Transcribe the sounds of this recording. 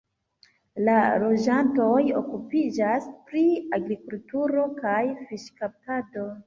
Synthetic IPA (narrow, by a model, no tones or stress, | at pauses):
lalo̞d͡ʒanto̞jo̞̰kupid͡ʒaspɾiaɡɾikultuɾo̞kajfiʃkap̚tado̞